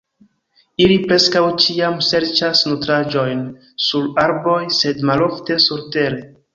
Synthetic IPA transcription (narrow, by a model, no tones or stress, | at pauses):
ilipɾe̞skawt͡ʃiamse̞ɾt͡ʃasnutɾad͡ʒo̞jn | suɾaɾbo̞jse̞dmalo̞fte̞suɾte̞ɾe̞